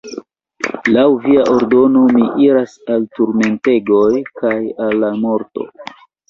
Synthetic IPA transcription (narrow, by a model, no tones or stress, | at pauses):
lawviaʔo̞ɾdo̞no̞miʔiɾasaltuɾme̞nte̞ɡo̞jkajalːamo̞ɾto̞̰